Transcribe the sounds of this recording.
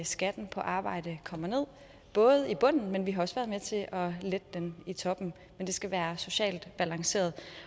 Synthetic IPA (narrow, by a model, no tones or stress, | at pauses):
sɡ̥æd̥n̩pʰɒ̽ʔɑ̈ːb̥ɑ̈ɪ̰d̥əkʰɒ̽m̰ɐne̝ð̞̰ˠ | b̥ɔ̽ːð̞̩ˠib̥ɔ̽n̰n̩menʋiɦɑ̈ɒ̽sʋæɐð̞ˠmet͡sʰe̝ʔɒ̽led̥əd̥enit͡sʰɒ̽b̥n̩ | mmend̥e̝sɡ̥æʋæːɐso̝ɕɛ̰ːld̥b̥ælɑ̈ŋse̝̰ːɐð̞ˠ